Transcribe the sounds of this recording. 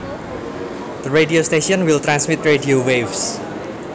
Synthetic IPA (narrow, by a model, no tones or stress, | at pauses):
d̪̥əɾeɖiost̪eʃiɔnwilt̪ɾansmit̪̚rediowefs